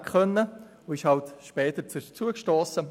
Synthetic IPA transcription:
kχœnːə | oɪʃhɑltʃpɛːtət͡st͡suəkʃtoːsə

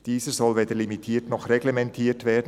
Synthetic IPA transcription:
d̥iːzəz̥ɔlveːdəlimitʰiːtnɔχrɛɡlemɛntʰiːtv̥eːd̩

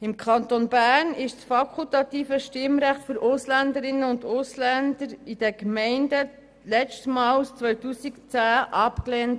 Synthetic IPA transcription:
ɪmkʰɑnt̪onbæːɾnɪʃsfɑkʰult̪ɑt̪iːfəʃtɪmɾæχtfʏɾʔʊslænd̪əɾɪnːəʊndʊslænd̪əɾid̥ɛkmɛɪndə | lɛt͡stmɑːlust͡sʋœɥtuːsikt͡sæːʔɑpkleːnt

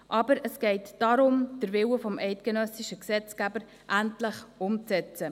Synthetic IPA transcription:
ʔɑbəɾəsɡ̥ɛɪtd̥ɑɾʊmd̥əɾvɪwəfɔmʔɛɪtkənœsɪʃəksɛt͡skæbəɾ | ʔæntləχʊmt͡sɛt͡sə

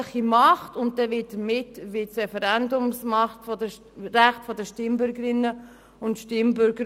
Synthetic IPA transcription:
χimɑχtʊnt̚dɛʋɪtd̥əɾmɪtːvɪtsɾɛfɛɾɛndʊmsmɑχtfɔdə | ɾæχtfɔdəʃtɪmbʏɾɡəɾɪnːə | ʊntʃtɪmbʏɾɡəɾ

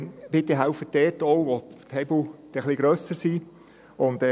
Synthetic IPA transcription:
b̥ɪt̪ːeɦæʊfətdɛːtɔwʋot̪hɛbl̩d̪̥ɛχliɡ̥ɾœsəɾsiː | ʊnd̪ɛ

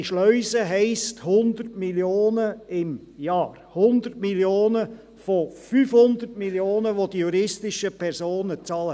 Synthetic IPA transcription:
iʃlœʏsəɦɛɪsthʊnd̪ərtmiljoːnəɪm | jɑːɾhʊnd̪əɾtmiljoːnə | fofyːfhʊnd̪ərtmiljoːnəʋod̥̪ijuɾɪstɪʃəpʰɛɾsoːnət͡sɑːlə

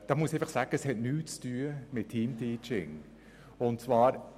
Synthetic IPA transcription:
d̥ɑːmuəsɛɪfɑχsaːɡ̥əəshɛtnyːt͡styːəmɪtʰːiːmtʰiːt͡ʃɪ̰ŋ | ʊntt͡svɑːɾ

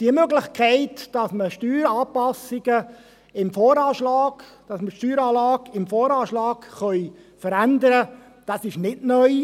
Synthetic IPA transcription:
d̥iəmøɡlɪχkʰæɪtd̥ɑsməʃtyːɾɑːpɑsɪɡə | ɪmfoːɾɑːʃlɑːɡ | d̥ɑsməʃtyːɾɑːlɑːɡɪmfoːɾɑːʃlɑːkχœʏ | fəɾænd̪əɾə | d̥ɑsɪʃnɪdnœʏ

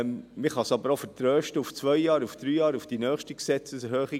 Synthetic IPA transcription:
mmɪχɑsɑbəɾofəɾtɾøːʃtəuft͡sʋœʏjɑːɾufd̪̥ɾyːjɑːɾufd̥inœːχʃtiksɛt͡səshøːχi

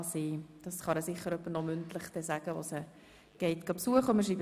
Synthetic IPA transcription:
siːd̥ɑsχɑɾəsɪχːəɾœpːənɔmʏntlɪχd̥ɛszæɡ̥əʋosə | ɡ̥ɛɪtɡ̥ɑpsuəχʊməʃiːb

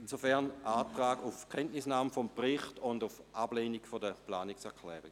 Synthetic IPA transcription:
insofɛʁnʔaːtʁaːɡʊfkʰɛntnɪsnaːməfɔmpʁɪχtʊndʊfʔab̥leːniɡfodəplaːniksɛɐkʰlɛ̰ːʁi

